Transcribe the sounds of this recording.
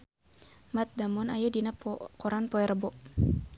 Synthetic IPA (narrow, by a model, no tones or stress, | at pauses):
mat̪̚damɔnajadinakɔɾanpɔɛɾəbɔʔ